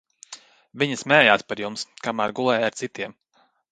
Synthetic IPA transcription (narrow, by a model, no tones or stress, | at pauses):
vʲiɲɐsmɛːjaːspaɾjumskamaːɾɡulˠɛːjaɾt̪sit̪iɛm